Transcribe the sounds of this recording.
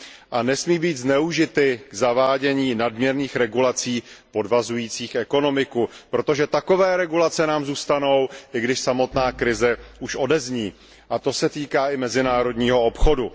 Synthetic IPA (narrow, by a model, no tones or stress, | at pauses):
ʔanɛsmiːbiːd̪znɛuʒɪt̪ɪɡ̥zavaːɟɛɲiːnadmɲɛɾniːxɾɛɡulat͡siːpo̞dvazujiːt͡siːxɛko̞no̞mɪkupɾo̞t̪o̞ʒɛt̪ako̞vɛːɾɛɡulat͡sɛnaːmzuːst̪ano̞wʔɪɡdɪʃsamo̞t̪naːkɾɪzɛʔuʃʔo̞dɛzɲiː | ʔat̪o̞sɛt̪iːkaːʔɪmɛzɪnaːɾo̞dɲiːɦo̞opxo̞du